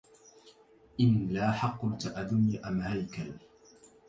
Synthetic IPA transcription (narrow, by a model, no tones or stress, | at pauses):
ʔɪnlaːħɑqːʊlt̪aʔad̪ʊnːaʔamhajkal